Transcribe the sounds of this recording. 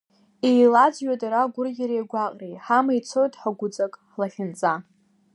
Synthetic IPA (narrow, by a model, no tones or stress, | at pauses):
ejlad͡zɥatʼaɾaɡʷʊrɡʲaɾejɡʷaqʼrejħamajt͡sʰojtʼħaɡʷʊt͡sʼakʼħlaχʲɪnt͡sʼa